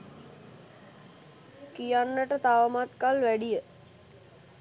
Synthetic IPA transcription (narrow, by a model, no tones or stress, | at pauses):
kijanːəʈət̪aʋəmat̪kalʋæɖijə